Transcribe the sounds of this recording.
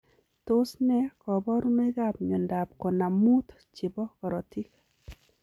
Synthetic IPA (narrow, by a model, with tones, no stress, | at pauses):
to˦snɛ˦kɔ˨bɔ˦ɾu˦me˦ɡa˦˨pɲɔ˨nda˨p̚kɔ˨na˨mu˦t̪ | t͡ʃɪ˨bɔ˦kɔ˨ɾɔ˨ti˦k